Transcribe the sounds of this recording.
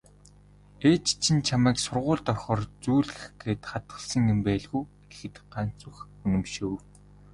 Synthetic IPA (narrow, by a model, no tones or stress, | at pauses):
eːt͡ɕt͡ɕʰĭnt͡ɕʰamæːksʊrʁʊːɮt̪ɔrχɔːrt͡suːɮɣɘ̆xɡeːt̪χat̪ɢə̆ɮsə̆ŋjʊmpæːɮɣuː | ɡ̥exɘ̆t̪ɢan̥t͡sŭx | ɵnɵ̆mʃɘ̆w